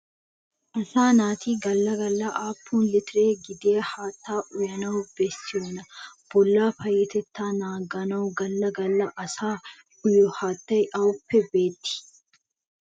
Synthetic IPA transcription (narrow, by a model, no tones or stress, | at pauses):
ʔɐsaːnaːt̪iːɡɐlːɐɡɐlːɐʔaːpːuːnlɪt̪ɪɾeːɡɪd̪eːhaːt̪ːaːʔʊjɐnɐwʊbɛstːɪjoːnɐb̥ɔlːaːfɐjɛt̪ɛt̪ːaːnaːɡɐnɐwɡɐlːɐɡɐlːɐʔɐsaː | ʊjɔhaːt̪ːɐjʔɐwʊpːɛbe̞ːt̪ːɪ̥